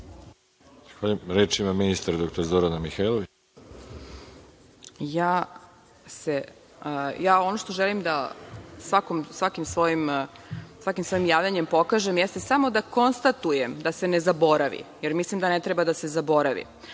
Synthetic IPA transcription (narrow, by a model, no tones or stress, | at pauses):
z̥axʋaːʎumɾeːt͡ʃimaminist̪aɾad̪okt̪oɾazoɾanamixajlˠoʋi | jaː | se | jaːo̞no̞ʃt̪o̞ʒelimd̪asʋakomsʋakimsʋo̞jim | sʋakimsʋo̞imjaːʋʎʲaɲe̞mpo̞kaʒemjɛst̪esamo̞d̪ako̞nst̪at̪ujemd̪ase̞nezabo̞ɾaʋḭjeɾmislˠimd̪anet̪ɾebad̪ase̞zabo̞ɾaʋḭ